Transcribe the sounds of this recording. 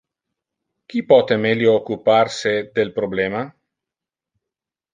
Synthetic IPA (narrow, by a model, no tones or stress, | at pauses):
k̟ipɔt̪emeljoːkːuparsed̪elpɾoblɛːma